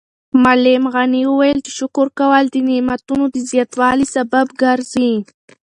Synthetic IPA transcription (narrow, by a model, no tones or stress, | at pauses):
malemɣaniwəwajəlt͡ʃe̥ʃʊkʊɾkawald̪ənimat̪unod̪əzjɑt̪wɑlisababɡaɾzi